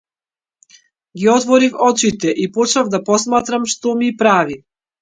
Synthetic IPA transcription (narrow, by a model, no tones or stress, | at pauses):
ɡiɔt̪vɔɾifɔt͡ʃit̪ɛʔipɔt͡ʃavd̪apɔsmat̪ɾamʃt̪ɔmipɾavi